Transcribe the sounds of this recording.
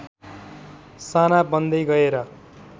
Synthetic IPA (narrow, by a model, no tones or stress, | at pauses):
sanabʌnd̪ʌjɡʌeɾʌ